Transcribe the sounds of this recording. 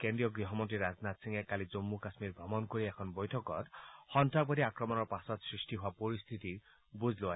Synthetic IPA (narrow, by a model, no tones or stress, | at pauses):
kendɹijɔɡɹiɦɔmɔntɹiɾad͡znat̪siŋɛkalizomːukasmiɹbʱɹɔmɔnkoɹiɛkʰɔnbɔjtʰɔkɔtxɔntapɔtiakɹɔmɔnɔɹpasɔtsɹistiɦowapoɹist̪ʰit̪i | buzʱloa